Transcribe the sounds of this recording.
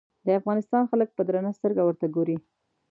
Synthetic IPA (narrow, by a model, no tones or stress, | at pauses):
d̪əafɣɑnɪst̪ɑnxalək̚pəd̪ɾanast̪əɾɡawəɾt̪aɡoɾi